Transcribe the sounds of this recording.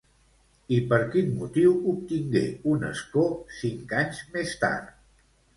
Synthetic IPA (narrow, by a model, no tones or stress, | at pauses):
ipəɾkinmut̪iwup̚t̪iŋɡḛunə̰skosiŋkaɲzmest̪a̰rt̪